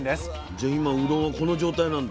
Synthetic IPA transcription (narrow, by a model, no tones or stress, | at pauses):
nd̪es | d͡ʑaimaɯ̟ɾõako̞no̞d͡ʑo̞ːt̪ainãnd̪a